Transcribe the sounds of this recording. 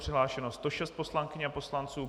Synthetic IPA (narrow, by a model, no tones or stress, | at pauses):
r̥ɪɦlaːʃɛnostt̪oʃɛst̪̚po̞slaŋkɪɲapo̞slant͡suː